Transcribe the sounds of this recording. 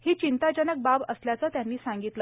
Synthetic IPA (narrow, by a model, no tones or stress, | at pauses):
hiːt͡ɕint̪ad͡ʑənək̚babəsljat͡sat̪janːiːsãŋɡit̪lə